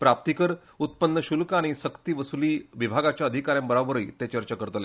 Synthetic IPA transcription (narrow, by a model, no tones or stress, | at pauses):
pɾap̚t̪ikəɾ | ut̪̚pənːəɕulkaɽ̃isəkt̪iːʋəsuliːʋibʱaɡat͡ɕjaəd̪ʱikaɾjãmbəɾabəɾəit̪et͡ɕəɾt͡ɕakəɾt̪le